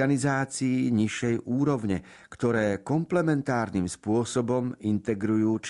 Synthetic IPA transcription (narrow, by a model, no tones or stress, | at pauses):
anizaːt͡siːɲiʃɛjʔuːɾɔʊɲɛ | kt̪ɔɾɛːkɔmplɛmɛnt̪aːɾnimspʊɔsɔbɔmint̪ɛɡɾujuːt͡ʃ